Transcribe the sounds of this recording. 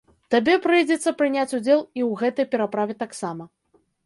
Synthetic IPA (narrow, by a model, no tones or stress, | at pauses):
t̪abʲɛpɾɨjd͡zʲɛt̪sːɐpɾɨnʲat͡sʲud͡zʲɛlˠiwɣɛt̪ɐjpʲɛɾapɾavʲɛt̪aksamɐ